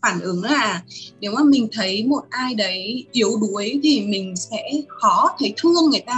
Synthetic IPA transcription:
faː˧˩nʔɨ˨˦ŋlaː˨˩ne˨˦wmaː˨˩mï˨˩ŋ̟t̪ʰə˨˦jmo˨˩t̚ʔaː˧jɗə˨˦jʔi˨˦əwɗu˨˦əjt̪ʰi˨˩mï˨˩ŋ̟sɛ̰˧˥xɔ˨˦t̪ʰə˨˦jt̪ʰɨ˧əŋːɨ˨˩əjt̪aː˧

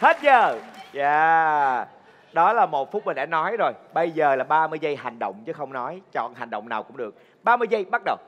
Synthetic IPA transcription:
he˦˥t̚zəː˨˩zaː˧ | ɗɔ˨˦laː˨˩mo˨˩t̚fʊ˦˥t̚mï˨˩ŋʔa̰˧˩˦nɔ˨˦jzo˨˩jɓə˧jzəː˨˩laː˨˩ɓaː˧mɨ˧əjzə˧jha˨˩jŋ̟ɗə̰˧˨wŋ͡mt͡ɕɨ˨˦xə˧wŋ͡mnɔ˨˦jt͡ɕɔ̰˧˨nha˨˩jŋ̟ɗə̰˧˨wŋ͡mnaː˨˩wkʊ̰˧˥ŋ͡mɗɨ˨˩ək̚ | ɓaː˧mɨ˧jzə˧jɓa˦˥t̚ɗə˨˩w

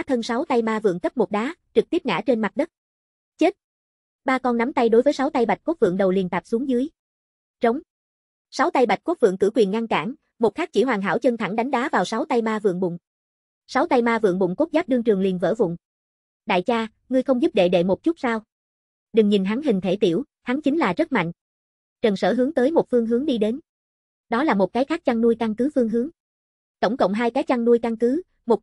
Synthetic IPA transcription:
t̪ʰə˧nsa˨˦wt̪a˧jmaː˧vɨ̰˧˨əŋkə˦˥p̚mo˨˩t̚ɗaː˨˦t͡ɕɨ˨˩k̚t̪i˦˥əŋa̰ː˧˥t͡ɕe˧nma˨˩t̚ɗə˦˥t̚ | t͡ɕe˦˥t̚ | ɓaː˧kɔ˧nːa˨˦mt̪a˧jɗo˨˦jvəː˨˦jsa˨˦wt̪a˧jɓa˨˩t̟̚ko˦˥t̚vɨ̰˧˨əŋɗə˨˩wli˨˩nt̪aː˨˩p̚su˨˦əŋzɨ˨˦j | t͡ɕə˨˦wŋ͡m | sa˨˦wt̪a˧jɓa˨˩t̟̚ku˦˥t̚vɨ̰˧˨əŋkɨ̰˧˩kwi˨˩ənŋa˧nkaː˧˩n | mo˨˩xaː˦˥k̚t͡ɕi˧˩ɦwaː˨˩ŋɦa̰ː˧˩wt͡ɕə˧nt̪ʰa˧˩ŋɗa˨˦jŋ̟ɗaː˨˦vaː˨˩wsa˨˦wt̪a˧jmaː˧vɨ̰˧˨əŋɓʊ̰˧˨ŋ͡m | sa˨˦wt̪a˧jmaː˧vɨ̰˧˨əŋɓʊ̰˧˨ŋ͡mko˦˥t̚zaː˦˥p̚ɗɨ˧əŋt͡ɕɨ˨˩əŋli˨˩ənvə̰ː˧˩vʊ̰˧˨ŋ͡m | ɗa̰ː˧˨jt͡ɕaː˧ | ŋɨ˧əjxə˧wŋ͡mzu˦˥p̚ɗḛ˧˨ɗḛ˧˩mo˨˩t̚t͡ɕu˦˥t̚saː˧w | ɗɨ˨˩ŋɲi˨˩nɦa˨˦ŋɦï˨˩ŋ̟t̪ʰe˧˩t̪i˧˩əw | ha˨˦ŋt͡ɕï˨˦ŋ̟laː˨˩zə˦˥t̚ma̰˧˨jŋ̟ | t͡ɕə˨˩nsəː˧˩ɦɨ˨˦əŋt̪əː˨˦jmo˨˩t̚fɨ˧əŋɦɨ˨˦ŋɗi˧ɗe˨˦n | ɗɔ˨˦laː˨˩mo˨˩t̚kaː˨˦jxaː˦˥k̚t͡ɕa˧ŋnu˧əjka˧ŋkɨ˨˦fɨ˧əŋɦɨ˨˦əŋ | t̪ə˧˩wŋ͡mkə̰˧˨wŋ͡mɦaː˧jkaː˨˦jt͡ɕa˧ŋnu˧əjka˧ŋkɨ˨˦ | mo˨˩t̚

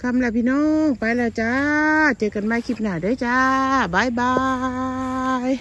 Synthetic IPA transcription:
kʰa˧˥˨mla˧˩pʰiː˧˨nɔː˧˥ŋpa˧˦jlɛ˧˩t͡ɕa˧t͡ɕə˧kːa˧˨nbaː˧˩jkʰi˧˩p̚naː˧˩dɤː˧˨jt͡ɕa˧˦baː˨˧˥jbaː˧ | j

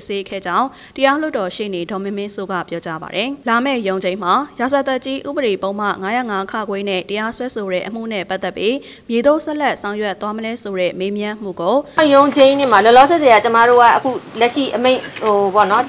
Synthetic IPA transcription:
se˦kʰɛ̰˦˨d͡ʑã˦ʊ̃ | təja˦l̥ʊ˦tːɔ˨ʃḛ˦˨ne˨dɔ˨mɪ̃˦mɪ̃˦nso˦˨ɡa̰˦˨pjɔ˦t͡ɕa˦ba̰˨ɾɛ˨la˨mɛ̰˦˨jõ˨ʊ̃ɲd͡ʑẽ˨ɪ̃m̥a˨ja˨za˨t̪a˦ʔt͡ɕi˦ʔṵ˦˨bə˨ɾe˨põ˨ʊ̃m̥ä̰˦˨ŋa˦jä̰˦˨ŋa˦kʰa̰˦˨ɡwɛ˦nɛ̰˦˨tə˨ja˦swɛ˦so˨ɹɛ̰˦˨ʔəm̥ṵ˦˨nɛ̰˦˨pa˦t̪ːɛ˦˨pːji˦ | mje˨d̪õ˦˨sɛ˦ʔlɛ˦ʔsã˨ʊ̃jwɛ˦t̪ːwa˦məlɛ˦so˨ɹɛ̰˦˨me˦mjã˦əm̥ṵ˦˨ɡo˨jõ˨ʊ̃ɲd͡ʑẽ˨ɪ̃n̥ɪ̃˦˨m̥a˨lɔ˨lɔ˦zɛ˨ze˨a˨t͡ɕə˦ma˦˨ɾo˦˨ɡa̰˦˨ʔəkʰṵ˦˨lɛ˦ʔʃḭ˦˨ʔəmẽ˦˨ɪ̃o˨bɔ̰˦˨nɔ˦

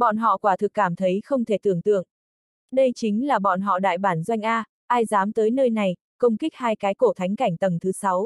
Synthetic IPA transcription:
ɓɔ̰˧˨nɦɔ̰˧˨kwaː˧˩t̪ʰɨ˨˩kːaː˧˩mt̪ʰə˨˦jxə˧wŋ͡mt̪ʰe˧˩t̪ɨ˧˩əŋt̪ɨ̰˧˨əŋʔ | ɗə˧jt͡ɕï˨˦ŋ̟laː˨˩ɓɔ̰˧˨nɦɔ̰˧˨ɗa̰ː˧˨jɓaː˧˩nzwa˧jŋ̟ʔaː˧ | ʔaː˧jzaː˨˦mt̪əː˨˦jnəː˧jna˨˩j | kə˧wŋ͡mkï˦˥k̚haː˧jkaː˨˦jko˧˩t̪ʰa˨˦jŋ̟ka˧˩jŋ̟t̪ə˨˩mt̪ʰɨ˨˦sa˨˦w

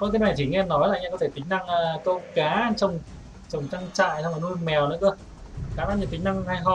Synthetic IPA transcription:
kɔ˧k̪̬ːna˨˩jt͡ɕi˧˩ŋɛ˧nɔ˨˦jla˨˧˩ɲa˧kɔ˨˦e˧˩t̪ï˨˦ŋ̟na˧ŋəː˧ko˧kaː˨˦t͡ɕə˨˩wŋ͡m | t͡ɕə˨˩wŋ͡mt͡ɕa˧ŋt͡ɕa̰ː˧˨jswma˨˩nu˧jmɛ˨˩wnɔ˨˦kɨ˧ə | kaː˨˦˩maː˧nɲə˧˩t̪i˨˦ŋ̟na˧ŋ˧ha˧jɦɔ˧˩

